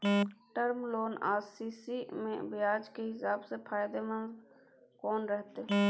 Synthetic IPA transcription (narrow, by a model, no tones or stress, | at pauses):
ʈəɾmloːna̰ːsiːsimḛ̃bɪjaːd͡ʒkeɦɪsaːbsepʰaːjd̪emə̃nz | kɔːnɾɛɦt̪e